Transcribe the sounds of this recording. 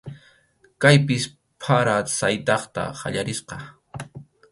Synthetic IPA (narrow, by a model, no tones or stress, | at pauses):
kajpɪs | pʰaɾasajt̪ɑχt̪a̰χa̰ʎaɾɪsqɑ